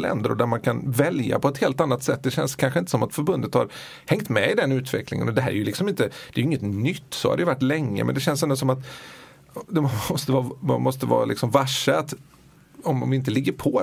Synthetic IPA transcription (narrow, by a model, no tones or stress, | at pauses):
lɛ̰nd̪əɾʊ̰d̪æɾmankʰanvɛlja̰pʰɔɛt̪heːlt̪anːat̪sɛt̪ːd̪ɛɕɛ̰nskʰanɧəɪnt̪əsɔmat̪fœɾbɵnd̪ət̪ha̰ɾ | hɛŋt̪mɛɪd̪ɛnʉ̟ːt̪vɛ̰klɪ̰ŋə̰nɔd̪ɛɦæːɾɛ̰ɾjʉlɪksɔmɪnt̪əd̪̥ɛːjʏɪŋːət̪nʏt̪ːsɔ̰ha̰d̪ɛjʏvaʈːlɛŋːə̰mɛ̰nd̪ɛɕɛns̬ɛnd̪ʊs̬ɔmat̪ | d̪ɛɔst̪əvɑːmɔst̪əvɑ̰ːlɪ̰ksɔmvaʂəat̪ | ɔmvɪɪnt̪əlɪɡːəɾpʰɔ